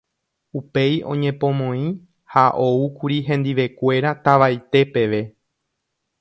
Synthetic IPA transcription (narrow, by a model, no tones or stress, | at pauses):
upe̞jõ̞̰ɲẽ̞põ̞mõ̞ĩ | haʔo̞ukuɾiɦẽ̞nd̪iʋe̞kʷe̞ɾat̪aʋajt̪e̞pe̞ʋe̞